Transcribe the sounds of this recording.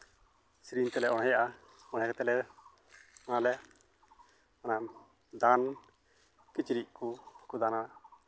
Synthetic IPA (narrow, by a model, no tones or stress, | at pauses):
sɾiɲt̪ɛlɛʔɔɽ̃ɛjaʔa | ɔɽ̤̃ajakat̪ɛlɛ | ɔnalɛ | ɔna | d̪an | kit͡ʃiɾiʔkukud̪anana